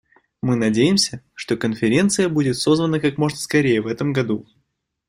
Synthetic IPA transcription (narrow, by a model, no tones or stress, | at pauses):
mɨnɐdʲejɪmsʲə | ʂt̪o̞kənfʲɪɾʲe̞nt̪sɨjəbudʲɪt̪so̞zvənəkakmo̞ʐnəskɐɾʲejəvɛt̪əmɡɐd̪u